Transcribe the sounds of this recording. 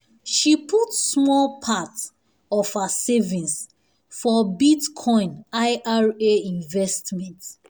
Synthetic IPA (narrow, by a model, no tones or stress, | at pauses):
ʃipʰutsmɔlpʰat | ɔfhasevĩns | fɔbitkʰɔ̃ɪ̃naɪʔaɹeĩnvɛstmɛ̃nt